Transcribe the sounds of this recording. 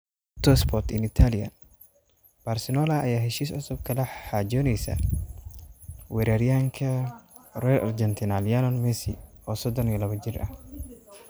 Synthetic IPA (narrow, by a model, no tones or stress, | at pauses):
t̪ɔspʰɔt̪ɪnɪt̪ʰalɪjɐ̰ | b̥aɾsɛnɔlaɐ̰jaːɦɛʃiːs̬ɔsɔb̚kʰɐlɐħad͡ʒɔːnɛjsɐ̰ | wɛɾaɾɪjaːŋkʰɐ | rɔlʔɐ̰ɾd͡ʒɛnt̪ʰɪnaljalɔnmɛsḭɔːsɔd̪ɔnlɐβɐd͡ʒɪɾɐ̰h